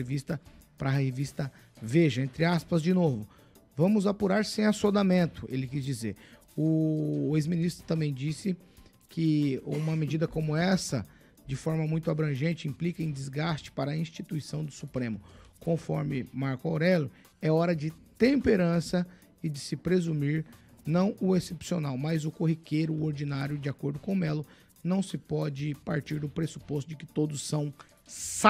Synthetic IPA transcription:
evist̪ɐ | pɾɐhevist̪ɐ | veʒɐẽnt̪ɾɪaspɐzd͡ʒɪnovʊ | vɐ̃mʊzapuɾaɾsẽj̃asod̪amẽnt̪ʊʔelɪkizd͡ʒizḛɾ | ʊezmĩnist̪ɾʊ̥t̪ɐ̃mbẽj̃d͡ʒisɪ | kʰɪũmɐmɪd͡ʒid̪ɐkõmʊɛsɐ̰ | d͡ʒɪfɔɾmɐmũj̃t̪ʊabɾɐ̃ʒẽnt͡ʃɪĩmplikɐẽj̃d͡ʒɪzɡast͡ʃɪ̥paɾɐĩst͡ʃit̪uisɐ̃w̃d̪ʊsupɾẽmʊkõfɔ̰ɾmɪmaɾkʊawɾɛlʊ | ɛɔɾɐd͡ʒɪt̪ẽmpeɾɐ̃sɐ | ɪd͡ʒɪsɪpɾezumiɾnɐ̃w̃ʊesepsionawmɐzʊkoɦikejɾʊoɾd͡ʒinaɾjʊd͡ʒɪakoɾd̪ʊkõw̃ɛlʊ | nɐ̃w̃sɪpɔd͡ʒɪpaɾt͡ʃiɾd̪ʊpɾesu̥pos̬t̪ʊd͡ʒɪkɪ̥t̪od̪ʊssɐ̃w̃ | sa

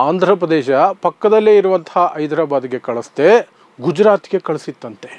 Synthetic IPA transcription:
aːnd̪ʱɾɐpɾɐd̪eːʃɐpɐkːɐd̪ɐlːeiɾuʋɐnt̪ʰɐɦɐʔɐjd̪ɾaːbaːd̪iɡe̞kɐɭɐst̪e̞ | ɡud͡ʒɾaːt̪ɡe̞kɐɭɐsit̪ːɐnt̪e̞̥

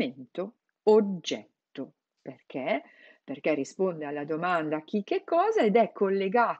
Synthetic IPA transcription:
ent̪o | od͡ʒːɛt̪ːo | perk̟ʰe | perkerːispond̪ealːad̪omand̪ak̟ːikːekːɔːzaed̪ɛkʰːolːeɡaː

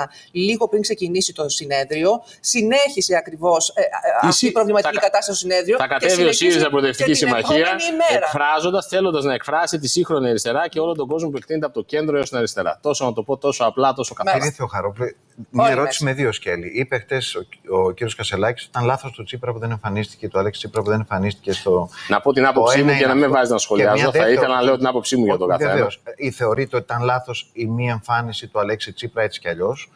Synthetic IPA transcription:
liɣo̞pɾiŋkse̞cinisit̪o̞sine̞ðɾio̞ | sineçiseɐkɾivo̞sɐisipɾo̞vlimɐt̪iɐkikɐt̪ɐst̪ɐsosine̞ðɾioɐkɐt̪eviosiðizɐbɾoðeft̪icisimɐçiɐmeeɾkɐfɾɐzo̞nd̪ɐsθe̞lo̞nd̪ɐznɐekfɾɐsit̪isixɾo̞niɐɾist̪e̞ɾɐce̞o̞lo̞nt̪o̞ɡo̞zmo̞p̬ue̞kt̪inet̪eɐpot̪oce̞nd̪ɾo̞eost̪nɐɾist̪e̞ɾɐ̰t̪o̞sonɐt̪opo̞t̪o̞so̞ɐplɐt̪o̞sokɐeθeoxɐɾople | mɲɐɐeɾoi̥sime̞ðio̞sce̞liʔipexθe̞soociɾio̞skɐselɐcisot̪it̪ɐnlɐθo̞st̪ot͡sipɾɐpuðe̞ne̞ɱfɐnist̪i̥cet̪uɐleksi̥t͡sipɾɐpuðenẽ̞ɱfɐnist̪i̥ce̞st̪onɐpo̞t̪inɐpoopseimuʝɐnɐmivɐziznɐsxo̞leiɐzoɐielɐnɐle̞ot̪inɐpo̞psimuʝɐt̪oɡɐθðeenveosiθe̞o̞ɾit̪eot̪i̥t̪ɐnlɐθo̞simiɐeɱfɐnisit̪uɐleksit͡sipɾɐet̪si̥ceɐʎo̞s

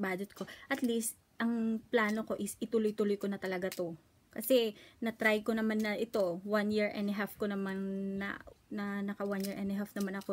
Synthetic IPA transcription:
baːd͡ʒɛt̪̚ko̞ʔɐt̪list̪̚ | ʔɐŋplaːno̞ko̞ʔɪsʔɪt̪ʊlojt̪ʊlojkonɐt̪ɐlɐɡat̪o̞ | kɐsɛnɐt̪ɾajko̞nɐmanːɐʔɪt̪o̞wanjiɹʔɛ̰nd̪ɦafkonɐmanːɐ̰nɐnɐkɐwanjiɹʔɛnd̪ɦafnɐmanɐko

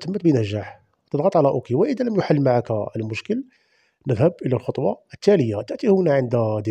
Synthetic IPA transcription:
t̪əmːət̪̚binæʒaħ | t̪əd̪ɣɑt̪ˤʕalæʔukiwəʔəd̪æləmjʊħalːmaʕakəlmʊʃkəl | nəd̪həb̚ʔəlælxot̪ˤwɑət̪ːæləjːat̪əʔt̪ihunæʕənd̪æd̪

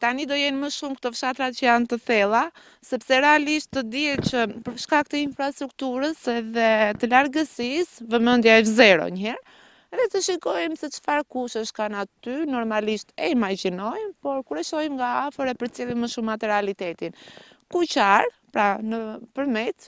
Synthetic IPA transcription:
t̪anid̪ɔjɛniməʃumkt̪ɔfʃat̪ɾat͡ʃəjant̪əθɛlˠa | sɛpsɛɾɛaliʃt̪ːəd̪iɛt͡ɕəpəɾʃkak̚t̪əinfɾast̪ɾuk̚t̪uɾəsɛðɛt̪əlaɾɡəsisvəmənd̪jaɛzɛɾɔ̰ɲəhɛɾ | ɛðɛt̪əʃikɔjmsɛt͡ʃə̥faɾkuʃəʃkanat̪ynɔɾmaliʃt̪ɛimaɾd͡ʑinɔjmpɔɾkuɾɛʃɔjmɡaafəɾɛpəɾt͡sjɛlˠimːəʃumat̪ɛɾalit̪ɛt̪in | kut͡ʃaɾpɾanəpəɾmɛt̪

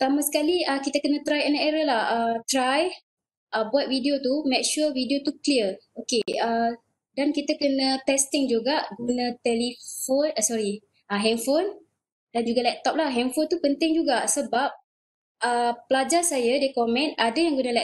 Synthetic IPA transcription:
t̪amasə̥kaliəkit̪əkənə̃t̪ɾajənaʔeɾəlahət̪ɾaj | ʔəbuat̪̚vidiot̪umɛk̚ʃuvidiot̪ukliərokeə | dankit̪əkənə̃t̪ɛst̪ɪŋd͡ʒuɡaʔɡunãt̪ɛlifonəsɔɾi | aɦɛmfon | dand͡ʒuɡalɛp̚t̪ɔp̚lahɦɛmfont̪upənt̪ɪŋd͡ʒuɡasəbap̚ | əpəlad͡ʒasajədiəkomɛ̃nadajaŋɡunalɛ

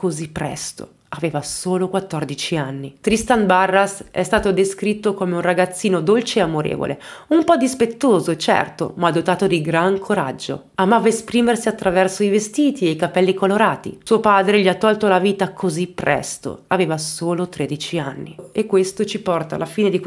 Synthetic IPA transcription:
kozipːɾɛ̰st̪o̰ | aveːvasoːlokwat̪ːɔrd̪it͡ʃianːit̪ɾist̪anbarːasɛ̰st̪aːt̪od̪eskɾit̪ːokomeunraɡat̪sːiːnod̪olt͡ʃeeamoɾḛːvo̰lḛumpɔd̪ispet̪ːoːzot͡ʃɛ̰rt̪o̰mad̪ːot̪aːt̪od̪iɡɾaŋkʰoɾa̰d͡ʒːo̰ | amaːvaespɾiːmersiat̪ːɾavɛrsoivest̪iːt̪ieikapɛlːikoloɾaːt̪ḭsuːopaːd̪ɾeʎiat̪ːɔlt̪olaviːt̪akʰozipːɾɛ̰st̪o̰aveːvasoːlot̪ɾeːd̪it͡ʃianːiekːwest̪ot͡ʃipɔrt̪a̰lafiːned̪ik

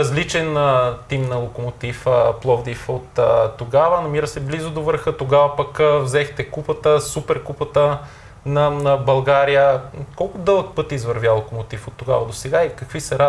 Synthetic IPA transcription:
ɐzlit͡ʃɛnət̪imnɐlˠokomot̪ifəplˠɔvd̪ifot̪ət̪ːoɡavənɐmiɾəsɛblizʊd̪ovəɾxət̪oɡavɐpɐkvzɛxt̪ɛkupət̪əsupɛɾkupət̪ə | nɐnəbɐlˠɡaɾijəkɔlˠkʊd̪ɤlˠək̚pɤt̪izvəɾvʲjalˠokomot̪ifot̪ːoɡa̰vɐd̪osɛɡaikɐkvisɛɾa

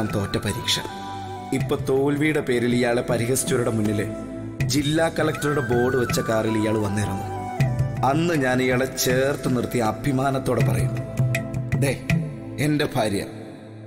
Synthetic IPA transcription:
mt̪o̞ːtːɐpɐɾiːkʂɐ̰ | ipːo̞ːt̪oːlʋiːɽepe̞ːɾilijaːɭepɐɾiɦɐsi̥t͡ɕːuʋɐɾuɽe̞munːil | d͡ʑilːaːkːɐlɐk̚ʈɐɾuɽe̞bo̞ːɽɨʋɐt͡ɕːɐkaːrilijaːɭɨʋɐnːirɐnːu | ɐnːɨɲaːnijaːɭet͡ɕe̞ːrt̪ɨnirt̪ːiɐɐbʱimaːnɐt̪ːo̞ːɽe̞pɐ̰rɐ̰junmː | d̪e̞ː | ende̞bʱaːɾjɐ̰

